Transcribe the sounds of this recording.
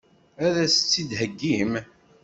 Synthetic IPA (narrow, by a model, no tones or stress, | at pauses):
æðæsə̥t͡sːid̪ɦəɡːim